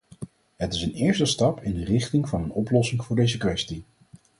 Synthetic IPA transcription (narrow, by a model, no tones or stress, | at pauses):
ɦətɪsənɪːɹstəstɑpʰɪndərɪχtɪŋvɑnənɔplɔsɪŋvʊːɹdejzəkʋɛsti